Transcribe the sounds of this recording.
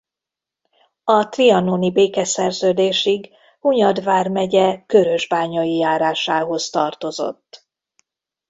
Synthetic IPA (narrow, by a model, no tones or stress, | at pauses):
ɒt̪riɒnoːnibeːkɛsɛrzøːd̪eːʃiɡ | uɲɒd̪vaːrmɛɟɛkøɾø̞ʒbaːɲɒjijaːɾaːʃaːɦo̞st̪ɒrt̪o̞zo̞̰t̪ː